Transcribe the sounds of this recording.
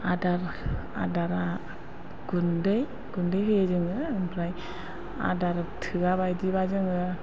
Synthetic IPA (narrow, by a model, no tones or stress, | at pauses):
adaɾa̰daɾa | ɡ̥undej | ɡundejɦɯzɯŋɯɯmpʰɾaj | a̰daɾatʰɯɡabajdibazɯŋɯ